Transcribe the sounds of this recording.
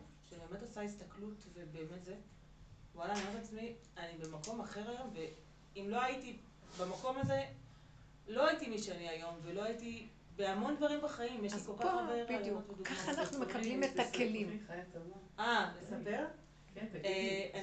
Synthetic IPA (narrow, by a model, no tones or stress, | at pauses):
ʃebieːme̞tosaistɐklutve̞be̞ːme̞tze̞ | walanamat͡smianibe̞mako̞maχe̞ʁajo̞mve̞ | imlo̞ajiti | bemako̞maze | lo̞ajitimiʃeaniajo̞mve̞lo̞aiti | be̞amo̞ndvaʁimbaχaimjeʃlikokaχbeeʁijmotbidukaχaanaχnumekalimetakelimaualesape̞ʁ